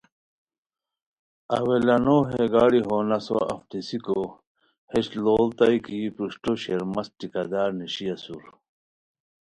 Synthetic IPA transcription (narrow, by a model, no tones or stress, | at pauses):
ɐ̰welɐnoːɦeɡaːɽiɦoːnɐso̰ɐ̰ft̪isiko | heɕloːlt̪ɐjkiːpɾuɕʈoɕeɾmɐst̪ikɐd̪aːɾniɕijɐsuɾ